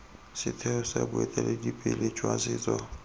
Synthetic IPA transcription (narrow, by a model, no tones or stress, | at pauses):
sɪtʰɛʊsabʊɛtʼɛledipʼɪlet͡ʃʼwasɪːt͡sʼɔ